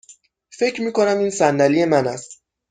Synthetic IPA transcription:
fe̞cʰɾmiːkonæmiːnsænd̪ælijemænæst̪

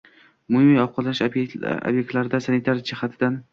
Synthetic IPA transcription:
mʊhɪmijɒwqʰɑlanɪʃo̰bjek̚t̪laɾɪd̪asanit̪ʰaɾd͡ʒɪhat̪ʰɪd̪an

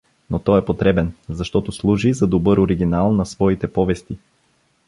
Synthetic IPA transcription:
not̪ɔɛpot̪ɾɛbɛnzɐʃt̪ɔt̪oslˠuʒizɐd̪obɤɾoɾiɡ̟inalˠnɐsvɔit̪ɛpɔvɛst̪i

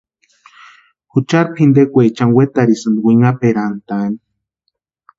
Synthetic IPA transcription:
hut͡ʃaɾphind̪ekʷet͡ʃaŋwet̪aɾisɨnd̪wiŋapeɾant̪ani̥

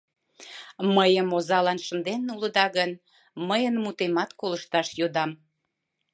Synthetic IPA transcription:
məjəmozɑlɑnʃənd̪ennuləd̪ɑɣən | məjənmut̪emɑt̪koləʃt̪ɑʃjod̪ɑm

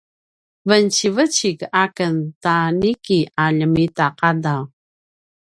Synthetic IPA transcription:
vənt͡ɕivət͡ɕikakəntanikiaʎəmitaqadaw

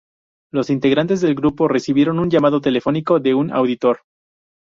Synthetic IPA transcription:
lo̞sint̪e̞ɣɾant̪e̞zðe̞lɡɾupo̞re̞siβje̞ɾo̞nuɲʝamað̞o̞t̪e̞le̞fo̞niko̞ðe̞una̰wðit̪o̞ɾ

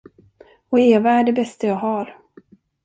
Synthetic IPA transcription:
ɔeːvaæɖɛbɛst̪ajaːɡɦaɾ

